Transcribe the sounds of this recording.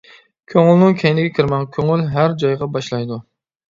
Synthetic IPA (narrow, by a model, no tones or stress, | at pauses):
kʲʰøŋɪlnɪŋkʲʰɛjnɪɡʲɛkʲʰiɾmɛŋkʲʰøŋylɦæɾd͡ʒɑjʁɑbɑʃlˠɑjd̪u